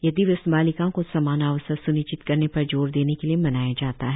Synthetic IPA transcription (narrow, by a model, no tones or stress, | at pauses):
jɐd̪iʋɪsbaːlɪkãkosɐmaːnaːʋəsəsʊnɪt͡ʃɪt̪kɐɾnepɐɾd͡ʒoːɾd̪eːnekeliemɐnaːjad͡ʒaːt̪aɦɛ